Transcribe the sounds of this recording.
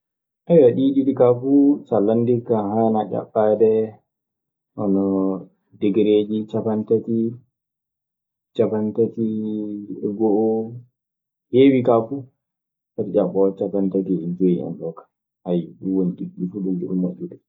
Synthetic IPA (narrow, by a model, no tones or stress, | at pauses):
ʔɛjwaɗiɗiɗikafusalːandikaɦanad͡ʒa̰ɓːadɛ | ʔɔnɔ | dɛɡɛɾed͡ʒit͡ʃapantati | t͡ʃapantati | ɡɔʔɔ | hewikafu | saɾd͡ʒaɓɔt͡ʃapantatid͡ʒojiɛ̰nɗɔkḁ | hajuwoniɗiɡːifuɗumɗḭɗumːaʔːuɗu